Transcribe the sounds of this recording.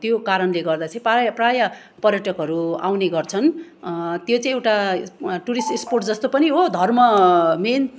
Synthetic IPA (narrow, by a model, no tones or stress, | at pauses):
t̪jokaɾʌnleɡʌrd̪at͡sʰʌ̃ĩpajprajʌ | pʌrjʌʈʌkɦʌɾua̰wneɡʌrt͡sʰʌn | t̪jot͡saĩewʈaʈuɾisʈisporʈd͡zʌst̪opʌniɦod̪ʱʌrmʌmen